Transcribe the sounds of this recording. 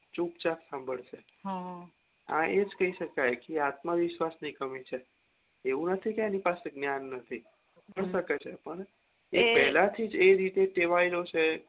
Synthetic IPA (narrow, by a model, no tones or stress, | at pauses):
t͡ʃũpt͡ʃaksãmbʱəɭʃe | ɦã | ã̰ʔed͡ʒkəɦiʃəkajkeat̪məʋɪʃʋasnikəmit͡ʃʰe | eʋũnət̪ʰikeanipaseɡnjanːət̪ʰi | əiʃəket͡ʃʰepəɳ | epɛɦlãt̪ʰid͡ʒeɾit̪eʈeʋailot͡ʃʰe